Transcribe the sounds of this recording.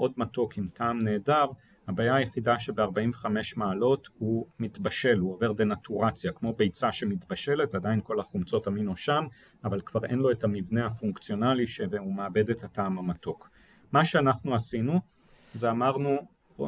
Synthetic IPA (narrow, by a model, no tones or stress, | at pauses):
ʔo̞dmato̞kimtʰaːmne̞ːdaʁ | habaːjaːjeχidaʃebe̞aʁbaimveχame̞ʃmaːlo̞thumitbaʃe̞luo̞ve̞ʁdenatuʁat͡sjakmo̞be̞jt͡saʃe̞mitbaʃe̞le̞tadainko̞laχumt͡so̞taminoʃam | avalkv̥aʁenlo̞etamivneafuŋkt͡sjo̞naliʃevumeabe̞dethataːmamato̞k | maʃeanaχnuasinu | zeamaʁnu